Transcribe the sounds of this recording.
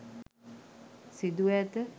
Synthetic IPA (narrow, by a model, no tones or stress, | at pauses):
sid̪uɛt̪ə